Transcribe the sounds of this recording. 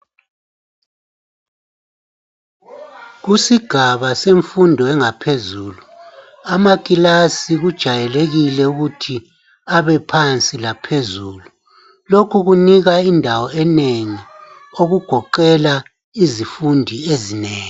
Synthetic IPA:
ɣusiɡ̥ʱaβaseɱfundʱɔɛŋapʰezuːlu | amakʼilasiɣud̥ʒ̥ʱajɛleɣilɛuɣutʰi | aβɛpʰant͡sʼilapʰezuːlu | lokʰuɣuniɣaindʱawɔɛneŋi | oɣuɡ̥ʱɔǃɛla | izifundʱiezineːŋi

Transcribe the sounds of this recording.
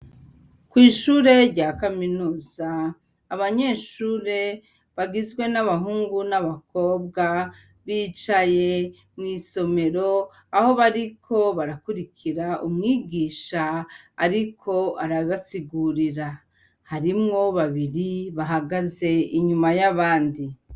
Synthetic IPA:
kwiːʃuːɾe̞ɾɟakaminuːzaː | βaɲe̞ːʃuːɾe̞ | βaɡizɡwe̞naβaɦuːŋɡunaβakʰo̞ːbɡa | βiːt͡ʃaje̞ | mŋiːso̞me̞ɾo̞ | aho̞βaɾikʰo̞βaɾakuɾikʰiɾaʔumŋiːɡiːʃaːɾikʰo̞aɾaβiβasiɡuɾiɾa | haɾimŋo̞βaβiɾiβaɦaɡaze̞iɲumajaβaːndi

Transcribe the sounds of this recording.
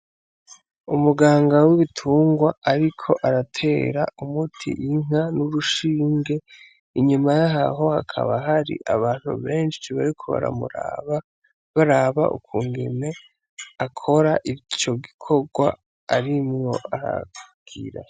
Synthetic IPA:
umuɡaːŋɡawiβitʰuːŋɡwaaɾikʰo̞ʔaɾatʰe̞ːɾa̰umutʰḭʔiŋ̥anuɾuʃiːŋɡe̞ | iɲumajaɦaɦo̞hakʰa̰βaɦaɾḭʔaβaːn̥hṵβe̞ːnʃiβa̰ɾikʰo̞̰βa̰ɾa̰muɾaa | βaɾaβa̰ʔṵkuːŋɡe̞̰ne̞ | akʰo̞ɾaʔit͡ʃo̞ɡikʰo̞ɡwa̰ | aɾimŋo̞ʔaɾa̰ɡ̥iɾa̰

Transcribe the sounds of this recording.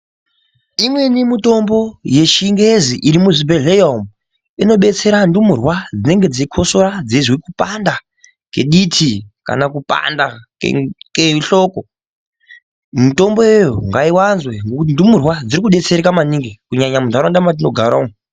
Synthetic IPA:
imwe̞nimuto̞mbo̞je̞ʃiŋɡe̞ziʔiɾimuʐibeɮejom | ino̞ɓe̞t͡se̞ɾandumurwad͡zine̞ŋɡe̞d͡ziikʰo̞so̞ɾad͡zezwikupanda | ke̞̰ɗitʰika̰nakupa̰nda̰ | keiɬo̞ko | mito̞mbo̞jejoŋɡaiwanzwe̞ŋɡokutindumurwad͡ziɾikuɓe̞t͡se̞ɾekamaniŋɡekuɲaɲamundaɾondamat̬ino̞ɡʱaɾom

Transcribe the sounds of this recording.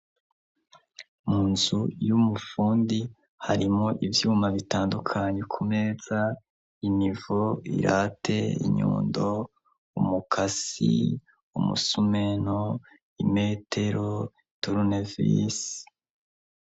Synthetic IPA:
muːnzujumufuːndi | haɾimoʔivjuːmaβitaːndukʰaɲekʰumez̥a | inivoḭɾʔatʰe̞ḭɲṵːndo | umukʰasḭ | umṵsume̞no | ime̞ːtʰe̞ɾo̞ | ituɾunevḭs

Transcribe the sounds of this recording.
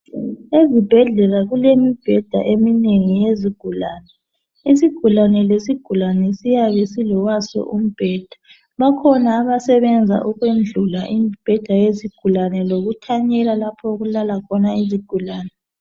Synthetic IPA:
ezib̥ʱɛɮɛlaɣulemib̥ʱɛd̥ʱa̰ʔemineŋijeziɡ̥ʱulaːnɛ | isiɡ̥ʱulanɛlesiɡ̥ʱulanɛsijaβɛsilɔɣwasɔ̰ʔum̩b̥ʱɛd̥ʱa | βakʰɔnaːβasɛβɛnd͡zʱa̰ʔuɣwend͡ɮʱulaʔim̩b̥ʱɛd̥ʱajeziɡ̥ʱulanɛloɣutʰaɲɛlalapʰɔuɣulalakʰɔnaiziɡ̥ʱulaːnɛ

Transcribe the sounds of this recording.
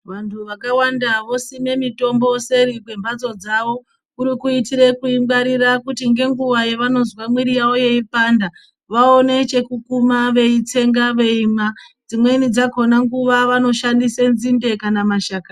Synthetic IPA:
ʋantʰuʋakawandaʋo̞sime̞mito̞mbo̞se̞ɾikwe̞mbad͡zo̞d͡zaʋo̞ | uɾikuitiɾe̞kuimbaɾirakutiŋɡe̞ŋɡuʋajeʋano̞zwamwiɾijawo̞je̞ipanda | ʋao̞ne̞t͡ʃe̞kukumaʋe̞it͡se̞ŋɡaʋe̞imad͡zimwe̞nid͡zako̞naŋɡuʋaʋano̞ʃandisenzinde̞kanamaʃaka

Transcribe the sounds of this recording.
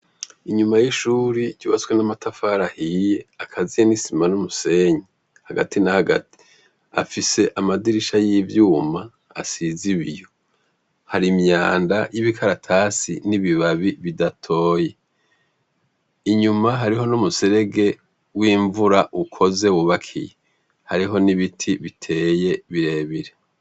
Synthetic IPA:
iɲumajiʃuːɾiɟuːβaswenamatʰafaɾahije̞akʰazijenisimanumuse̞ɲe | haɡa̰tinahaɡa̰ti̥ | a̰fise̞ʔamadiɾiʃajivjuːma | a̰siziβijo̞ | haɾimɲaːndajiβikʰaɾatʰaːsḭniβiβaβiβidatʰo̞ːje̞ | iɲumaɦaɾiɦo̞numuse̞ɾe̞ɡe̞ | wiːɱvuɾaʔukʰo̞ze̞wuβakʰḭje | haɾiɦo̞niβitʰiβitʰe̞ːjeβiɾe̞ːβiɾe

